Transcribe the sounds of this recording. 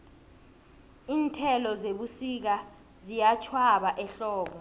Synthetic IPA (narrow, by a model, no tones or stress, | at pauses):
iːntʰɛlɔzeɓusik̬a | zijat͡ʃʰwaɓaʔɛɬɔːɓɔ